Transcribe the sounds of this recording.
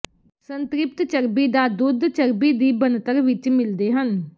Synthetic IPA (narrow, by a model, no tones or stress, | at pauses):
sənt̪ɾɪp̚t̪t͡ʃəɾbiːd̪aːd̪ʊd̪t͡ʃəɾbiːd̪iːbənt̪əɾʋɪt͡ʃmɪld̪eːɦən